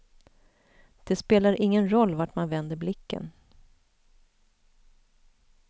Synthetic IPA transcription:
d̪̥ɛspeːlaɾʔɪŋːənɾɔlːvaʈmanvɛnd̪əɾblɪkːə̰n

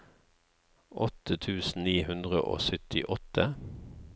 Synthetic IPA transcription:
ʔɔt̪ət̪ʰʉːsn̩niːhʉnd̪ʁəʔo̰ːsʏt̪ɪʔɔt̪ə

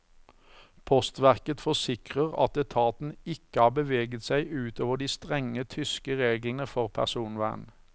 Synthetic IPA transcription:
pʰɔst̪ʋæʁkət̪fɔsɪkʁəʁɑ̰t̪ɛt̪ʰɑːt̪n̩ɪkəɑːʁbəʋeːɡət̪sæɪʔʉːt̪oːʋəʁd̪iːst̪ʁɛŋət̪ʰʏskəʁeːɡln̩əfɔʁpʰæ̰ʁsuːnʋæ̰ːn

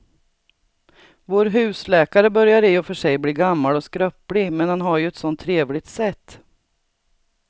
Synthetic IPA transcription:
voːɾɦʉ̟ːslɛːkaɾəbœɾjaɾɪɔfœʂɛjbliːɡamːalɔskɾœpːlɪmɛnhanɦaɾjɵɛt̪sɔnt̪ʰːɾeːvlɪɡ̚t̪sɛt̪ː

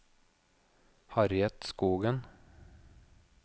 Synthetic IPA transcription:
hɑɾjɛt̪skuːɡən

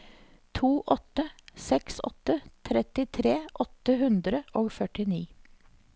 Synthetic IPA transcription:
t̪ʰuːʔɔt̪əsɛksɔ̰t̪ət̪ʰɾɛt̪ɪt̪ʰɾeːʔɔt̪əhʉnd̪ɾəʔoːɡfœʈɪniː

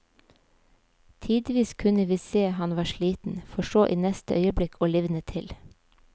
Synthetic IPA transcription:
t̪ʰiːd̪ʋiːskʰʉnəʋiːseːhɑnʋɑːʃɭiːt̪n̩fɔʃoːʔiːnɛst̪ə̰ʔœʏəblɪkʰoːlɪʋnət̪ʰɪl

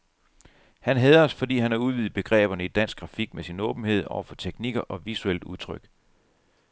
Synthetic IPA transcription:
hænɦɛːðˠɒ̽sfɒ̽d̥ḭːhænhɑ̈uðˠʋiːð̩ˠb̥e̝ɡ̥ʁɛ̰ːb̥ɐnəid̥æn̰sɡ̥ɡ̥ʁɑ̈fiɡ̥̚mesinɔ̰̽ːb̥n̩he̝ð̞̰ˠɒ̰ʊɐfɒ̽t͡sʰeɡ̥niɡ̥ɐʔɒ̽ʋisuel̰d̥uð̞ˠt͡sʰʁœɡ̥

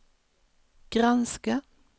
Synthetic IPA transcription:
ɡ̥ɾanska

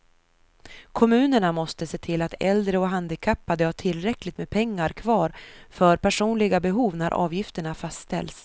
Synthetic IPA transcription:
kʰɔmʉ̟ːnəɳamɔst̪əseːt̪ʰɪlːat̪ɛ̰ld̪ɾəɔɦand̪ɪkʰapːad̪əhaʈʰɪlɾɛklɪt̪mepʰɛŋːaɾkʰvɑːɾfœɾpʰæʂuːnlɪɡabɛɦuːvnæɾʔɑ̰ːvjɪft̪əɳafast̪t̪ɛ̰ls

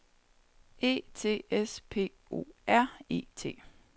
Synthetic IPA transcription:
e̝̰ːt͡sʰe̝̰ːespʰe̝̰ː | o̝̰ːæɐ̰e̝̰ːt͡sʰe̝̰ː

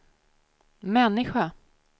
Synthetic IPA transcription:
mɛnːɪɧa

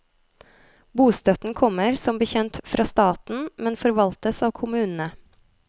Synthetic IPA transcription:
buːst̪œt̪n̩kʰɔməɾsɔmbəçɛnt̪fɾʔɑːst̪ɑːt̪n̩mɛnfɔɾʋɑlt̪əsɑːʋkʰʊmʉːnn̩ə

